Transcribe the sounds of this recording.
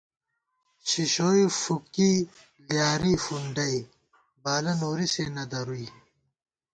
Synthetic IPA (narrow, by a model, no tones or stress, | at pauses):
ɕiɕoːifuki | ljaːɾiːfuɳɖɐi | baːlɐnoːɾisenɐd̪ɐɾuiː